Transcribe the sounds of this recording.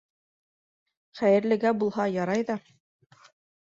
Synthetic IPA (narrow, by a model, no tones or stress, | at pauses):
χæjɘ̆ɾlɘ̆ɡæbulˠɦɑjɑɾɑjðɑ